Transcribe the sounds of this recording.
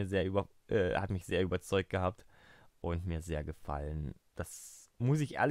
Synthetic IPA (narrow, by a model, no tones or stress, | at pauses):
iːɐzeːɐʔyːbɐ | ʔɛ̰ːha̰tmɪçz̥eːɐʔyːbɐt͡sɔʏk̚t̚ɡ̥əhaːp̚t | ʔʊntmiːɐzeːɐɡəfa̰lən | d̥asmʊs̬ɪçʔḛɐl